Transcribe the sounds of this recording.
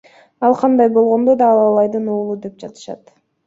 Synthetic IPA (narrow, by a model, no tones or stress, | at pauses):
ɑlˠqʰɑnd̪ɑjbo̞lˠʁo̞nd̪o̞d̪ɑːlˠɑːlˠɑjd̪ɯnuːlˠud̪e̞p̚d͡ʒɑt̪ɯ̥ʃɑ̰t̪